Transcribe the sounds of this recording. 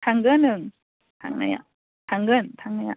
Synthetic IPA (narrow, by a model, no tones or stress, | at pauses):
t̪ʰaŋɡɯnːɯŋ | t̪ʰa̰ŋna̰ja̰ | t̪ʰaŋɡɯnt̪ʰaŋnaja̰